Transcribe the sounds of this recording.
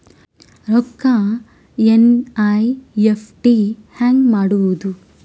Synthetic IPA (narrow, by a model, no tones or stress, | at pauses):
ɾɔkːa | enajepʰʈihaːŋɡmaːɽuʋud̪u